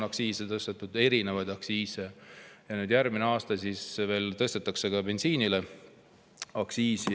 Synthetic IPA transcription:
ɑksiːset̪ɤst̪et̪ːˑud̪̥e̞ɾinevɑjd̪̥ɑksiːsejɑnyːd̪̥jærmineɑːst̪ɑsisve̞ːlt̪ɤst̪et̪ːˑɑkse̞kɑbe̞nsiːnile | ɑksiːsi

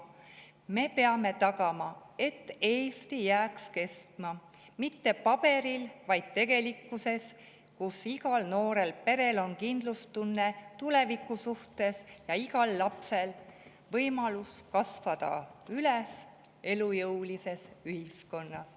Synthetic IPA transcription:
me̞pe̞ɑme̞t̪ɑɡ̥ɑmɑe̞t̪ːˑe̞ːst̪ijæːkske̞st̪mɑ | mit̪ːe̞pɑb̥e̞ɾilvɑjd̪̥̚t̪e̞ɡ̥e̞likːˑuse̞s | kusiɡ̥ɑlno̞ːɾe̞lpe̞ɾe̞lo̞nkind̪lust̪unːet̪ule̞vikːˑusuht̪e̞sjɑiɡɑlːɑpse̞l | vɤjmɑluskɑsvɑd̪̥ɑ̰yles | e̞lujɤwlise̞syhisko̞nːɑs

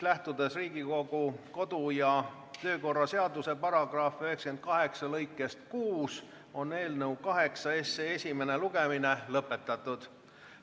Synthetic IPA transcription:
læht̪ud̪̥e̞sriːɡiko̞ɡ̥uko̞d̪ujɑ | t̪ø̞ːko̞rːɑse̞ɑd̪use̞pɑɾɑɡ̥rɑːfø̞ɦhekske̞nd̪̥̚kɑɦe̞ksɑlɤ̞jkːˑe̞st̪̚kuːs | o̞ne̞ːlnɤwkɑɦe̞ksɑesːeesʲime̞ne̞luɡ̥e̞mine̞lɤpːˑe̞t̪ːˑɑt̪ːˑud̪̥

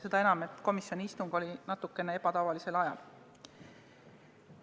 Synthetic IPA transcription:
se̞d̪ɑe̞nɑme̞t̪ːˑko̞misjo̞niist̪uŋɡ̥o̞lʲinɑt̪ːˑukːˑe̞ne̞e̞b̥ɑt̪ɑvɑlise̞lɑjɑl

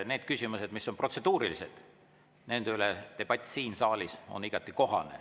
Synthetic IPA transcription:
ne̞ːd̪̥̚kysʲimuse̞d̪̥misːo̞npro̞t̪se̞d̪uːɾilise̞̰d̪̥ | ne̞nd̪̥eylet̪e̞b̥ɑt̪ʲːˑsiːnsɑːlʲiso̞̰niɡ̥ɑt̪ːˑiko̞ɦɑ̰nḛ

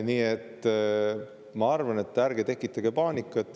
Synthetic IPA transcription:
niːet̪ː | mɑɑrvɑne̞t̪ːærɡ̥et̪e̞kˑːit̪ːˑɑɡe̞pɑːnikːˑɑt̪ːˑ

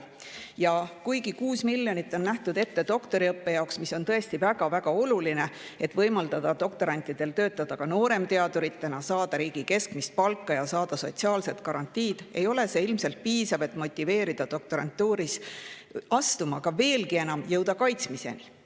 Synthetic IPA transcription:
jɑkujɡikuːsmiljonit̪ːˑo̞nːæht̪ud̪e̞t̪ːe̞d̪̥o̞kt̪o̞ɾiɤpːe̞jɑoksmiso̞nt̪ɤ̞e̞st̪ivæɡ̥ɑvæɡ̥ɑo̞luline̞e̞t̪ːˑvɤjmɑld̪ɑd̪̥ɑd̪̥o̞k̚t̪o̞ɾɑnʲt̪ːˑid̪̥e̞lt̪ø̞ːt̪ːˑɑd̪̥ɑkɑno̞ːɾe̞mt̪e̞ɑd̪uɾit̪ːenɑsɑːd̪̥ɑɾiːɡ̥ike̞skmist̪̚pɑlkːˑɑjɑsɑːd̪̥ɑso̞̰t̪siɑːlse̞t̪kɑɾɑnt̪ʲːˑiːd̪̥e̞̰jo̞le̞se̞ilmse̞lt̪̚piːsɑve̞t̪ːˑmo̞t̪ʲːˑive̞ːɾid̪̥ɑd̪o̞k̚t̪o̞ɾɑ̰nt̪ːˑuːɾis | ɑst̪umɑkɑve̞ːlɡie̞nɑmjɤwd̪̥ɑkɑjt̪smise̞̰ni

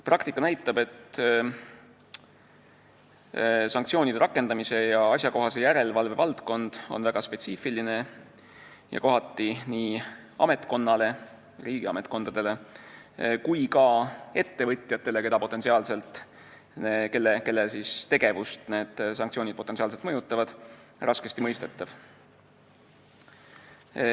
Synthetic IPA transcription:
prɑkt̪ikːˑɑnæjt̪ːˑɑbe̞t̪ː | sɑŋk̚t̪sio̞ːnid̪e̞ɾɑkːˑend̪ɑmise̞jɑɑsjɑko̞ɦɑse̞jæɾe̞lvɑlve̞vɑlt̪ko̞nd̪̥o̞̰nvæɡ̥ɑspe̞t̪siːfiline̞ | jɑ̰ko̞ɦɑt̪ːˑiniːɑ̰me̞t̪ˑko̞nːɑle̞ | riːɡ̥iɑ̰me̞t̪ˑko̞nd̪ɑd̪̥e̞le̞ | kujkɑe̞t̪ːe̞vɤt̪ʲˑjɑt̪ːˑe̞le̞ke̞d̪ɑpo̞t̪ːˑesiɑːlse̞lt̪ˑ | eke̞lːeke̞lːesist̪e̞ɡ̥e̞vust̪ne̞ːd̪̥sɑŋk̚t̪sionid̪̚pot̪e̞nsiɑːlse̞lt̪mɤjut̪ˑːɑvɑd̪̥ | rʔɑske̞st̪imɤjst̪e̞t̪ːˑɑv̥

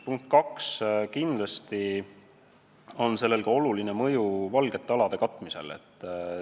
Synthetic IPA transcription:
puŋk̚t̪kɑkskind̪̥lɑst̪i | o̞nse̞lːe̞lɡɑo̞luline̞mɤjuvɑlɡ̥e̞t̪ːˑeɑlɑd̪̥e̞kɑt̪ːˑmise̞̰le̞̰t̪ːˑ

